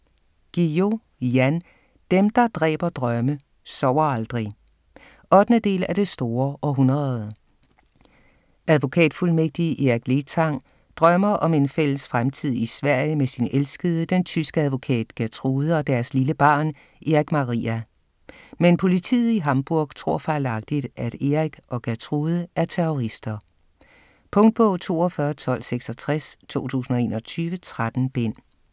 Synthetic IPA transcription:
ɡ̥io̝ | jæn | d̥emd̥ɑ̈d̥ʁɛ̰ːb̥ɐd̥ʁɶmə | sɒʊ̰ɐɑld̥ʁi | ʔɒ̽d̥nəd̥e̝̰ːlæd̥e̝sd̥o̝ːɐʔɒ̽ɦunʁɐð̩ˠ | ʔæðˠʋo̝kʰɛ̰ːd̥fulmeɡ̥̚d̥iʔiɡ̥le̝t͡sʰɑ̈ŋ | d̥ʁɶmɐʔɒ̽me̝nfel̰əsfʁamt͡sʰið̞̰ˠisʋæɐ̰jəmesinelsɡ̥əð̞̩ˠəd̥ent͡sʰysɡ̥əæð̞ˠʋo̝kʰɛ̰ːd̥ɡ̥æt͡sʰʁuːðˠɒ̽d̥æɐsliləb̥ɑ̈ːn | ʔe̝ʁiɡ̥mɑ̈ʁḭːæ | menpʰo̝lit͡sʰḭːð̞̩ˠiɦɑ̈mb̥uɐ̰ɡ̥t͡sʰʁo̝ɐ̰fɑ̈ːlɑ̈ɡ̥̚d̥id̥ʔæɾ̥eʁiɡ̥ʔɒ̽ɡ̥æt͡sʰʁuːð̞ˠəʔæɐt͡sʰeoʁisd̥ɐ | pʰɔ̽ŋd̥̚b̥ɔʊt͡sʰo̝̰ːɒfɶːɐt͡sʰɒ̽l̰seɡ̥sɒt͡sʰʁast͡sʰo̝̰ːt͡sʰṵːsn̩ɒe̝̰ːnɒ̽t͡sʰyːʋət͡sʰʁad̥n̩b̥en̰

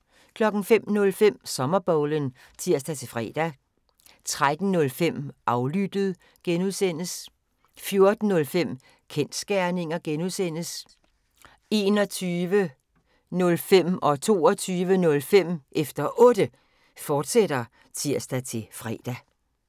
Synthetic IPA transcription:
kʰlɒ̽ɡ̥n̩fem̰nɔ̽lfem̰sɒ̽mɐb̥ɒʊlən | t͡sʰiɐ̰sd̥æt͡sʰe̝fʁɛ̰ːd̥æ | t͡sʰʁad̥n̩nːɔ̽lfem̰ʔɑ̈ʊlyd̥əð̩ˠ | ɡ̥enuðˠsen̰əs | fjo̝ɐd̥n̩ːɔ̽lfem̰ | kʰen̰d̥sɡ̥æɐne̝ŋɐɡ̥enuðˠsen̰əs | e̝ːnɒ̽t͡sʰyːʋə | nɔ̽lfem̰ɒ̽t͡sʰo̝̰ːɒt͡sʰyːʋənɔ̽lfem̰ʔefd̥ɐʔɔ̽d̥ə | fɒːd̥sed̥ɐ | t͡sʰiɐ̰sd̥æt͡sʰe̝fʁɛ̰ːd̥æ

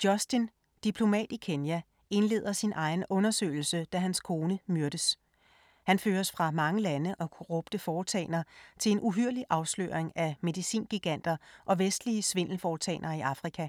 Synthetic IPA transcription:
d̥jɒ̽sd̥in | d̥ipʰlo̝mɛ̰ːd̥ikʰe̝njæ | e̝nle̝̰ːð̰ˠɐsinʔɑ̈ɪn̩ɔ̽nɐsø̰ːɪl̩səd̥æɦænskʰo̝ːnəmyɐd̥əs | hænføːɐsfʁɑ̈mɑ̈ŋəlænəʔɒ̽kʰoʁɔ̽b̥d̥əfɒːt͡sʰɛ̰ːnɐt͡sʰe̝le̝nʔuɦyɐ̰liʔɑ̈ʊslø̰ːɐeŋæme̝ðˠisḭːnɡ̥iɡ̥æn̰d̥ɐʔɒ̽ʋesd̥liəsʋe̝n̰l̩fɒːt͡sʰɛ̰ɪnʔɐiʔɑ̈fʁikʰæ

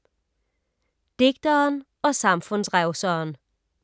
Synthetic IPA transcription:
d̪̥eɡ̥̚d̪̥ɐːn | ɒ̽sɑ̈mfɔnsʁæʊsəːn

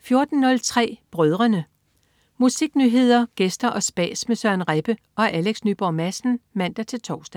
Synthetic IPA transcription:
fjo̝ɐd̥n̩ːɔ̽lt͡sʰʁɛ̰ːb̥ʁœð̞ˠʁɐnə | musiɡ̥nyɦe̝ð̰ˠɐɡ̥esd̥ɐʔɒ̽sb̥ɛ̰ːsmesɶɐnʁeb̥ə | ʔɒ̽ʔæleɡ̥snyːb̥ɒːmæsn̩mæn̰d̥ɐt͡sʰe̝lt͡sʰɒ̰ʊsd̥æ

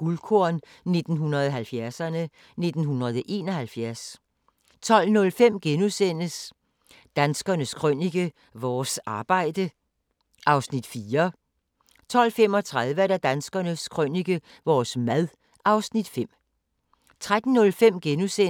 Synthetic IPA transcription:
ɡ̥ulkʰoɐn | ne̝d̥n̩ɦunɐðˠɒɦælfjæɐsɐnə | ne̝d̥n̩ɦunʁɐð̞̩ˠɒʔe̝ːnɒhælfjæɐs | t͡sʰɒ̽l̰nɔ̽lfem̰ɡ̥enusen̰əs | d̥ænsɡ̥ɐnəskʰʁœn̰iɡ̥ə | ʋɒːsɑ̈ːb̥ɑ̈ɪ̰d̥ə | ʔɑ̈ʊsnid̥fiːɐ | t͡sʰɒ̽l̰fem̰ɒ̽t͡sʰʁað̞ˠʋəɾ̥æd̥ænsɡ̥ɐnəskʰʁœniɡ̥ə | ʋɒːsmæðˠ | ʔɑ̈ʊsnid̥fem̰ | t͡sʰʁad̥n̩ːɔ̽lfem̰ɡ̥enuse

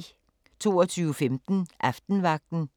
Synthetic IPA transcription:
t͡sʰo̝̰ːɒt͡sʰyːʊəfemd̥n̩ʔɑfd̥n̩ʋɑ̈ɡ̥̚d̥n̩

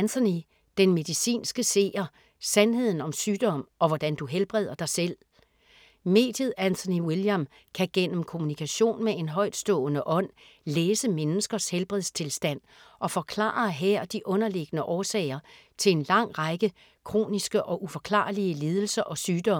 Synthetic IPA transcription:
ænt͡sʰoni | d̥enme̝ðˠisḭːnsɡ̥əse̝̰ːɐ | sænhe̝ð̰ˠn̩ɒ̽msyːd̥ɒ̽m̰ɒ̽ʋɒd̥ænd̥uɦelb̥ʁɛð̞̰ˠɐd̥ɑ̈ɪsel̰ | me̝̰ːd̥jð̞̩ˠænt͡sʰo̝niwiljæm | kʰæɡ̥en̰m̩kʰo̝munikʰæɕo̝̰ːnmee̝nɦɒ̽ɪ̰d̥sd̥ɔ̰̽ːnəʔɒ̽n̰leːsəmenəsɡ̥ɐshelb̥ʁɛðˠst͡sʰe̝lsd̥æn̰ | ʔɒ̽fɒ̽kʰlɑ̰̈ːɐɦeɐ̰d̥iʔɔ̽nɐle̝ɡ̥ənəʔɒːsɛ̰ːɪɐt͡sʰe̝e̝nlɑ̈ŋ̰ʁɑɡ̥ə | kʰʁo̝̰ːnisɡ̥əʔɒ̽ʔufɒ̽kʰlɑ̰̈ːliəliːð̞ˠl̩sɐʔɒ̽syːd̥ɒ̽m

